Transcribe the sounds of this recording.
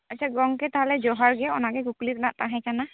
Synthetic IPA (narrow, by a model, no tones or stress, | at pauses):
att͡ʃʰaɡɔŋkɛtaɦɔlɛzɔɦaɹɡɛɔnakɛɡuklitnaʔtaɦɛ̃kana